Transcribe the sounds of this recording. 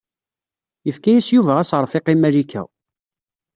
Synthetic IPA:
jəfkæjisjuvæʁæsəɾˤfɪqimælikæ̰

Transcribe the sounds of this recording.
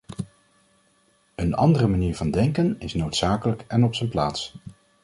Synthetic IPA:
ənɑ̰ndərəmaniːɹvɑndɛŋkənɪsnowtsaːkələkɛnɔpsənplaːts

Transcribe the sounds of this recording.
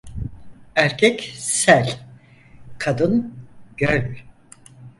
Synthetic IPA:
æɾcʰɛcsælʲ | kʰad̪ɯnɟ̥ølʲ

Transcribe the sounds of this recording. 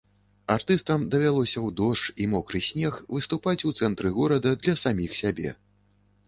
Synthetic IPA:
art̪ɨst̪ɐmd̪ɐvʲalˠɔsʲɐwd̪ɔʂt͡ʂimɔkɾɨsʲnʲɛxvɨst̪upat͡sʲut̪sɛnt̪ɾɨɣɔɾɐd̪ɐd̪lʲɐsamʲixsʲabʲɛ̰

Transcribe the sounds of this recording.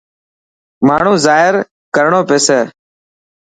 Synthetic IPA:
maːɳ̤ũːzaːɦɪɾ | kəɾɳõːpeːseː

